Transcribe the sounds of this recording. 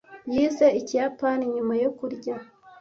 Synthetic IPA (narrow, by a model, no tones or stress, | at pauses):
jizeicijapaniɲumajokuɾɟa